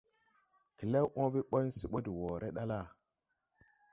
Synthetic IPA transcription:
ki˨le˦wʔo˦bi˦ɓo˦nsi˦ɓo˦di˨wo˨ɾʔe˦ɗa˦la˦˨

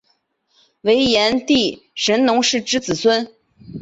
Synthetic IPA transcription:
we˧˥ɪjɛ˧˥nt̪i˥˩ʂə˧˥nnʊ˧˥ŋʂɻ̩˥˩ʈ͡ʂɻ̩˥t͡sɹ̩˨˩swə˥n

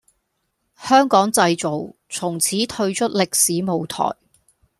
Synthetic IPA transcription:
hœː˥ŋkɔː˨˥ŋt͡sɐ˧jt͡so˨w | t͡sʰʊ˨˩ŋt͡sʰiː˨˥t̪ʰɵ˧ɥt͡ʃʰɵ˥t̚lɪ˨k̚siː˨˥mo˨wt̪ʰɔ̰ː˨˩j

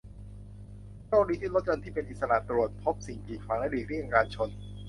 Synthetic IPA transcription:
t͡ɕoː˥˩k̚niː˦˥t̪ʰi˥lo˦˥t̪̚jo˧nt̪ʰiː˥˩pe˧nʔi˨t̪̚sa˧ɾa̰˨˩t̪ːɾu˨˩ət̪̚pʰo˦˥p̚si˨˩ŋpiː˨˩k̚ʰfaː˩˦ŋla˦˥˩diː˨˩ɾi˥˩˨ŋ˨˧kaː˧nt͡ɕʰo˧n

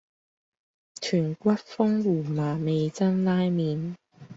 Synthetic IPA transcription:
t͡ʃʰyː˨˩nkʷɐ˥t̚fʊ˥ŋwuː˨˩maː˨˩me˨˧jt͡sɐ˥nlaː˥jmiː˨˧n

